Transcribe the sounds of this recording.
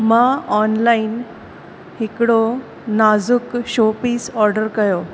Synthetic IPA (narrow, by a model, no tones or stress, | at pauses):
maɔnlain | hikɽo | nad͡zukɕopiːsɔɾɖəɾkəjo